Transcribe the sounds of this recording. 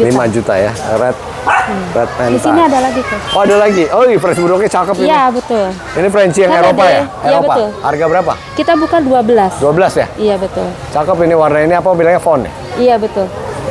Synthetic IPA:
limad͡ʒut̪a̰ja̰əɾat̪̩̚ | ɾat̪̚manditsianiadalaɡit̪ʊoadalaɡiʔoifɾɛnsbudɔk̚ɲat͡ʃakəpiabət̪ʊl | inifɾɛnsijaŋeɾopajaejobəpaʊlharɡabəɾapa̰ | kit̪abukanduabəlasduabəlasja̰ijabət̪ʊl | t͡ʃakəp̬iniwarnainiapaabilaŋɲafɔnɛ̰ | iabət̪ʊl

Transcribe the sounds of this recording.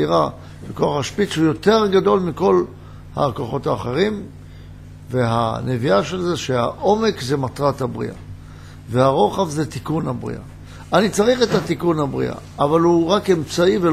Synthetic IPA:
iʁa | vekoaχaʃpitʃujo̞te̞ʁɡado̞lmiko̞l | ha̰koχo̞thaːχe̞ʁim | veɦa̰neviaʃe̞lzeʃeha̰ʔo̞me̞kzemat̪ʁathabʁḭʔa̰ | vehaʁo̞χavzetikunhabʁḭʔa̰ | anit͡saʁiχetat̪ikunhabʁḭa̰ːvalhuʁake̞mt͡saive

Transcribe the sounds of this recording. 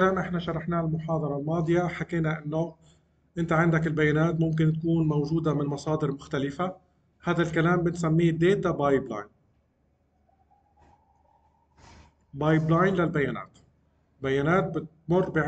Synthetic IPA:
aːmʔɪħnaʃɑɾˤɑħnaːlmʊħɑːd̪ˤɑɾˤɑlmɑːd̪ˤɨjaħakeːnaʔɪnːo | ʔɪnt̪aʕand̪akɪlbajːaːnaːt̪mʊmk̬ɪnt̪̚kuːnmawʒuːd̪amɪnmɑsˤɑːd̪ɪɾmʊxt̪alɪfa | haːd̪alkalaːmbɪnsamːiːd̪eːt̪abɑjbla̰jn | bɑːjblajnlalbajːaːna̰ːt̪ | bajːaːnaːt̪̚bɪt̪mʊrːbɪʕ

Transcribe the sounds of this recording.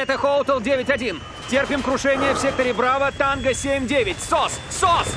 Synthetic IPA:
ɛt̪əxoʊt̪əlˠdʲevʲɪtʲɐdʲin | tʲerpʲɪmkɾʊʂɛnʲɪjəfsʲek̚t̪əɾʲɪpɾavət̪anɡəsʲemʲdʲevʲɪtʲsossos

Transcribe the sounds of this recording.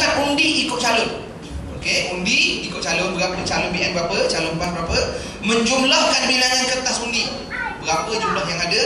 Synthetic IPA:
kat̪undiʔikʊt̪̚t͡ʃalʊn | okeundiikʊt̪̚t͡ʃalʊnbəɾapədt͡ʃalʊnbiʔɛnbəɾapət͡ʃalʊnbanbəɾapə | mə̃ɲd͡ʒumlɔhkandbilajankət̪asundi | bəɾapəd͡ʒumlɔɦjaŋadə

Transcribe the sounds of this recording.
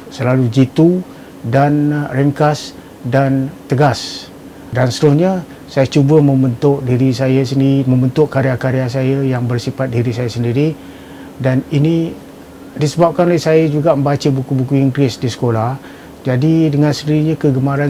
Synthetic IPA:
səlalud͡ʒit̪u | danrəŋkas | dant̪əɡas | danst̪əɾʊsɲa | sajət͡ʃubəmə̃mbənt̪ʊʔdiɾisajasəndiimə̃mbənt̪ʊʔkaɾeakaɾeas̬ajəjaŋbərsipat̪̚diɾisajasəndiɾi | danini | disəbap̚kanolehsajəd͡ʒuɡamə̃mbat͡ʃəbukubukuiŋɡlɪsdisə̥kolah | d͡ʒadidəŋãnsəndiɾiɲakəɡəmaɾan

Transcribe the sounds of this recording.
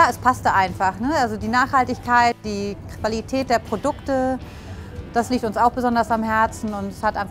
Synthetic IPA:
jaːɛspʰastəʔaɪnfaχnəʔalzodiːnaːχhaltɪçkʰaɪt̚d̥iːkv̥alitʰɛːt̚d̥eːɐpʁ̥odʊktə | d̥asliːk̚tʊnsaʊxb̥əzɔndɐsamɦɛɐt͡sn̩ʊntɛshatʔaɪnf

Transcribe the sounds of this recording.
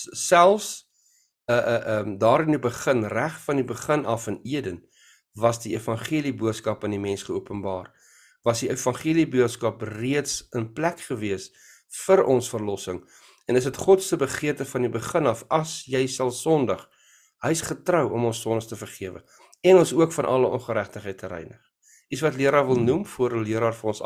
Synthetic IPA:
sælˠfs | əəʔəmdɑːɾənibəχənræχfɐnibəχənɐfəniədən | vɐsdiefɐnχiəlibuətskɐpfɐnimɛnsχəuəpənbɑːr | vɐsdiefɐnχiəlibuətskɐpriətsənplækχəviəs | fəɾɔnsfərlɔsəŋ | ɛnəs̬ɦətχɔtsəbəχiərtəfɐndibəχənɐfɐsjɛjsɐlˠsɔndɐχ | ɦəjsχətrəwɔmɔnsːɔndəχtəfərχiəvə̰ | ɛnɔnsuəkfɐnʔɐ̰ləɔ̰nχəɾæχtəχɛjtʰəɾɛ̰jnəχ | ʔisvɐtliəɾɑːrvəlˠnumfuəɾəliəɾɑːrfɐnɔns

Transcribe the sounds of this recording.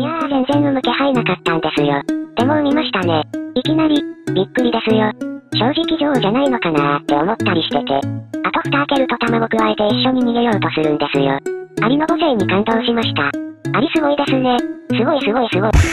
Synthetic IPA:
jazẽ̞nzẽ̞nɯmɯ̟ke̞hainakat̪ːãnd̪e̞sɨjot̪e̞momʲimaɕi̥t̪ane̞ikʲinaɾʲibʲikːɯ̟ɾʲid̪e̞sɨjoɕo̞ːʑikʲiʑo̞ːʑanaino̞kanaːt̪ːe̞omo̞t̪ːaɾʲiɕi̥t̪e̞t̪e̞̰at̪oɸɯ̥t̪aːke̞ɾɯ̟t̪o̞t̪amaɡokɯ̟βaet̪e̞iɕːo̞ɲ̟imʲiɡejo̞ːt̪o̞sɨɾɯ̟̃nd̪e̞sɨjo̰aɾʲino̞ɡoze̞ːɲ̟ːikãnd̪oːɕimaɕi̥t̪aaɾʲisɨɡo̞id̪e̞sɨne̞sɨɡo̞isɨɡo̞isɨɡo̞i

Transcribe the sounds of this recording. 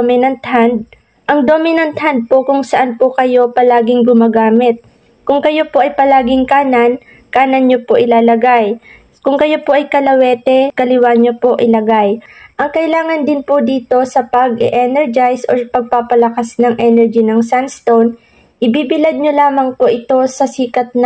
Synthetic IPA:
mɪnɐnt̪hand̪̚ | ʔɐŋd̪o̞mɪnɐnt̪hɐnd̪̚po̞kʊŋsɐʔanpokɐjo̞pɐlaːɡɪŋɡʊmaːɡaːmɪt̪̚ | kʊŋkɐjo̞po̞ʔɐjpɐlaːɡɪŋkaːnɐn | kaːnɐnɲopoʔɪlaːlɐɡaj | kʊŋkɐjo̞po̞ʔɐjkɐlɐwɛːt̪ɛkɐlɪwaɲopo̞ʔɪlɐɡajʔɐŋkɐʔɪlaːŋɐnd̪ɪnpod̪iːt̪o̞sɐpɐɡɪ̰ʔɛnɛɹd͡ʒajsʔopɐɡ̚papɐlɐkasnɐŋʔɛnɛɹd͡ʒinɐŋsanst̪own | ʔɪbiːbɪlɐd̪̚ɲo̞laːmɐŋpoʔɪt̪o̞sɐsiːkɐt̪̚n

